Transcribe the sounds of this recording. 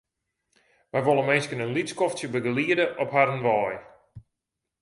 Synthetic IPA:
ʋɛjʋolˠəmeskənənliskɔftjəbəɡəliədəʔɔpɦaɾənʋɔːj

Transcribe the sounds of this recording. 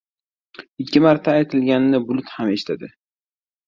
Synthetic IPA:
ɪkʲʰːɪmaɾt̪ʰaːjt̪ʰɪlɡʲannɪbʊlˠʊt̪hame̞ʃɪ̥t̪ʰad̪ɪ

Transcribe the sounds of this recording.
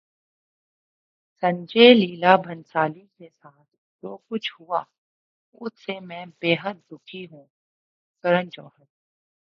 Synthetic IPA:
sɐ̃ɲd͡ʒeːliːlabʱɐ̃nsaːlikesaːt̪ʰ | d͡ʒoːkʊt͡ʃʰhuaː | ʊ̰sʰsemɛ̃ːbeːɦət̪̚d̪ʊkʰiɦũː | kɐɾə̃nt͡ʃɔ̰̃ːɦət̪̚

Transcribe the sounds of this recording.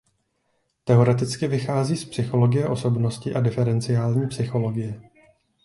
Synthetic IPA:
t̪ɛo̞ɾɛt̪ɪt͡skɪvɪxaːziːspsɪxo̞lo̞ɡɪjɛʔo̞so̞bno̞scɪʔadɪfɛɾɛnt͡sɪjaːlɲiːpsɪxo̞lo̞ɡɪjɛ

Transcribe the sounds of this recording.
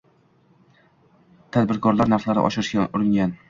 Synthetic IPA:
t̪ʰad̪bɪɾkʰɒɾlaɾnaɾχlaɾɪ̰ʔɒ̰ʃɪɾɪʃɡʲaʊɾɪŋɡʲan

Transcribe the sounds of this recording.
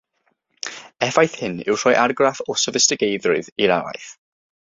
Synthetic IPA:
ɛfajθhɪnɪ̰wr̥ɔjʔarɡrafɔsəvɪstɪɡejðrʊɨðiɾa̰wa̰jθ

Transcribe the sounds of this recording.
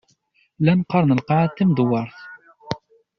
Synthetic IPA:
lænqɑɾˤnəlqɑʕt̪ːəmd̪ʊwːɑɾˤθ

